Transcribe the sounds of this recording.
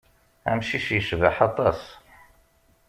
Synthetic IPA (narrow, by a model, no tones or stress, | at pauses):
æ̰mʃiʃjəʃvaħɑt̪ˤːɑs